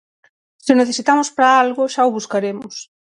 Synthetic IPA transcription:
sɪneθesit̪amospɾaalɣʊʃaoβuskaɾemʊs

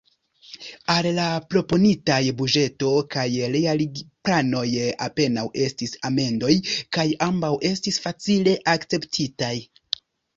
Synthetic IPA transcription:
allapɾo̞po̞nitajbud͡ʒe̞to̞kajɾejaliɡplano̞ja̰pe̞nawʔe̞stisame̞ndo̞jkajambawʔe̞stisfat͡sile̞ʔakt͡se̞ptʰitaj

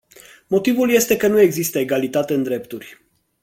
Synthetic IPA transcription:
mo̞t̪ivulje̞st̪e̞kənue̞ɡzist̪əeɡalit̪at̪e̞ɨnd̪ɾe̞pt̪urʲ

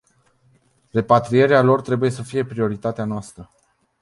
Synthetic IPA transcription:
re̞pat̪ɾije̞ɾealo̞rt̪ɾe̞buje̞səfije̞pɾio̞ɾit̪at̪eanoast̪ɾə

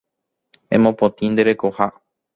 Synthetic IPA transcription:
ḛ̃mõpõt̪ĩnd̪e̞ɾe̞koha

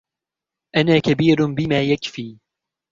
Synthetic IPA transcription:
ʔanaːkabiːɾbɪmaːjakfiː

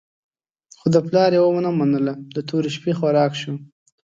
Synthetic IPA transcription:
xod̪əplɑɾewəmanamanəlad̪ət̪ʰuɾiʃpexwaɾɑkʃu

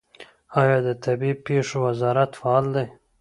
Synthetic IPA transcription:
ɑjɑːd̪ət̪ʰabiːpeʂowazɑːɾat̪faɑːld̪aj

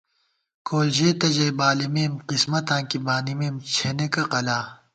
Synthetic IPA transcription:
koːlʑeːt̪ɐd͡ʑɐjbaːlimeːmqismɐt̪ãːkibaːnimeːmt͡ɕʰenekɐqɐlaː

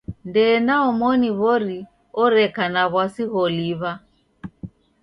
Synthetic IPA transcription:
ndɛːnaɔmɔniβɔɾi | ɔɾɛkanaβwasiɣɔliβa

